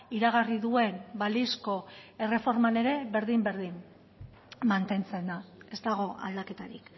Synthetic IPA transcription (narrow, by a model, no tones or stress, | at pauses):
iɾaɣariðue̞nbalisko̞e̞re̞fo̞ɾmane̞ɾe̞βe̞ɾðimbe̞ɾðin | mant̪e̞nt͡se̞nd̪ae̞zt̪aɣ̞o̞ʔa̰ld̪ake̞t̪aɾik